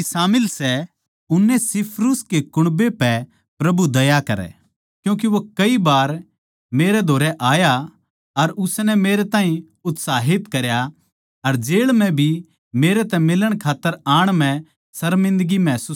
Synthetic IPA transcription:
saːmɪlsɛ | ʊnːɛsɪpʰɾuskekʊɽ̃bepɛ | pɾɐbud̪ɐjakɐɾɛ̰ | kjũːk̬eʋokɐibaːɾ | meːɾɛd̪ʱoːɾɛʔaːja | ɐɾʊsnɛmeːɾɛt̪aːĩ | ʊt̪saːɦɪt̪kɐɾja | ɐɾd͡ʒeːɭmɛ̃bʱi | meːɾɛt̪ɛmɪləɽ̃kʰaːt̪ːəɾaːɽ̃mɛ̃ | sɐɾmɪ̃nd̪ɡimɛ̃ːsuː

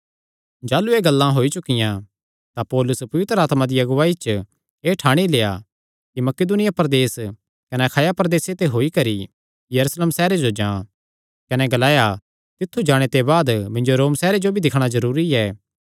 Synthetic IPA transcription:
d͡ʒaːlueːɡɐlːãɦoːit͡ʃʊkɪjã | t̪apɔːlʊspɐʋɪt̪ɾəaːt̪mãd̪iɐɡʊʋaːit͡ʃ | eːʈʰaːɽ̃ileːa̰ | kimɐked̪ʊnɪjapɐɾd̪eːs | kɐnɛɐkʰaːjapɐɾd̪eːset̪eɦoːikɐɾi | jɐɾuːsleːmsɛːɾed͡ʒod͡ʒãː | kɐnɛɡɐlaːja | t̪ɪt̪ʰːud͡ʒaːɽ̃et̪ebaːd̪mɪ̃nd͡ʒoɾoːmsɛːɾed͡ʒobʱid̪ɪkʰɽ̃azɐɾuːɾiɛː

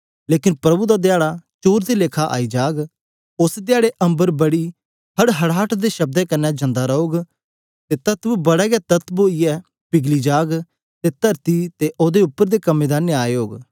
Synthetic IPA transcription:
leːkɪnpɾɐbud̪ad̪jaːɽat͡ʃoːɾd̪ileːkʰaʔa̰ːid͡ʒaːɡ | ʊsd̪ɪjaːɽeʔɐ̃mbəɾbɐɽi | ɦɐɽɦɐɽaːʈʰd̪eʃɐb̚d̪ɛkɐnːɛd͡ʒɐ̃nd̪aɾɐoːɡ | t̪et̪ɐt̪bbɐɽɛɡɛt̪ɐt̪boːiɛː | pɪɡlid͡ʒaːɡ | t̪et̪ɐɾt̪it̪eʔoːd̪eʊpːəɾd̪ekɐmːẽːd̪anɪaːoːɡ

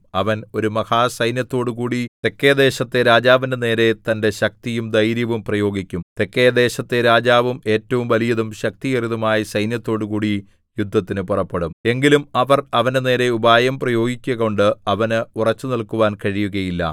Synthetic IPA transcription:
ɐʋɐno̞ɾumɐhaːsɐjnjɐt̪ːo̞ːɽukuːɽit̪e̞kːeːɐd̪e̞ːɕɐt̪ːe̞ɾaːd͡ʑaːʋindene̞ːɾe̞t̪ɐnde̞ɕɐk̚t̪ijumd̪ɐjɾjɐʋumprɐjo̞ːɡikʲːumt̪e̞kːejɐd̪e̞ːɕɐt̪ːe̞ɾaːd͡ʑaːʋume̞ːtːɐʋumʋɐlijɐðumɕɐk̚t̪ijeriðumaːjisɐjnjɐt̪ːo̞ːɽukuːɽi | jud̪ʱːɐt̪ːinɨpurɐpːe̞ɽume̞ŋɡilumɐʋɐrɐʋɐnene̞ːɾe̞ubaːjɐmprɐjo̞ːɡikʲːɐɣo̞ɳɖɨɐʋɐnɨurɐt͡ɕːɨnilkuʋaːnkɐɻijuɣɐjilːɐ̰

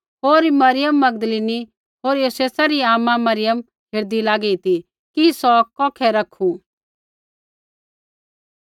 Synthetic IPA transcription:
ɦoːɾmɐɾɪjəmːɐɡd̪əliːni | ɦoːɾjoːseːsaɾiaːmamɐɾɪjəm | ɦeɾd̪ilaːɡɛit̪i | kisɔkɔ̃ːkʰɛɾɐkʰũ

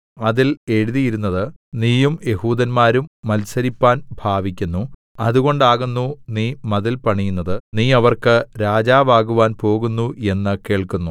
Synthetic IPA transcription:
ɐðile̞ɻuðijiɾunːɐðɨniːjumje̞huːd̪ɐnmaːɾumːɐlsɐɾipːaːnbʱaːʋikʲːunːu | ɐðuɣo̞ɳɖaːɣunːuniːmɐðilpɐɳijunːɐðɨniːɐʋɐrkɨɾaːd͡ʑaːʋaːɣuʋaːnpo̞ːɣunːue̞nːɨke̞ːɭkunːu

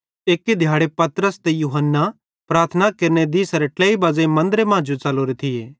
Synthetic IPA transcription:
eːkːed̪ʱjaːɽepɐt̪ɾəst̪ejuːɦənːa | pɾaːɾt̪ʰənakeɾned̪iːsɐɾeʈleːibaːzemɐ̃nd̪ɾemãːd͡ʒut͡ʃɐloɾet̪ʰɪjeː

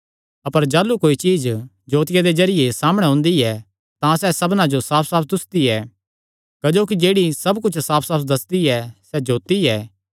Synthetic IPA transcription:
ɐpəɾd͡ʒaːlːukoːit͡ʃiːd͡ʒ | d͡ʒoːt̪ɪjad̪ezɐɾɪjesaːməɽ̃ɛɦʊ̃ːnd̪iɛ | t̪ãsɛsɐbnãd͡ʒosaːpʰsaːpd̪ʊst̪iɛ | kɐd͡ʒoːk̬id͡ʒeːɽisɐbkʊt͡ʃʰsaːpʰsaːpd̪ɐsd̪iɛsɛd͡ʒoːt̪iɛː

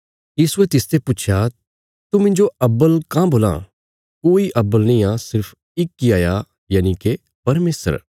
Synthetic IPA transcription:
jiːsuet̪ɪst̪ʰepʊt͡ʃʰja | t̪umɪ̃ɲd͡ʒoɐbːəlkãːboːlã̰ | koːiʔɐbːəlnĩãsɪɾpʰ | ɪkːiaːja | jaːnike | pɐɾmeːsə̰ɾ

